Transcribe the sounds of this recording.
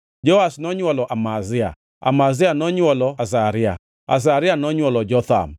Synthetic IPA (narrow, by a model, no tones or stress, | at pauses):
d͡ʒɔasnɔɲwɔlɔʔamazɪa̰ | a̰mazɪanɔɲwɔlɔas̬aɾɪa̰ | a̰s̬aɾɪanɔɲwɔlɔd͡ʒɔt̪a̰m